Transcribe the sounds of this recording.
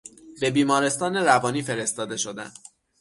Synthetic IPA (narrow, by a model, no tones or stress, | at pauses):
be̞biːmɒːɾe̞st̪ɒːneɾævɒːniːfe̞ɾe̞st̪ɒːd̪e̞ʃo̞d̪æ̰n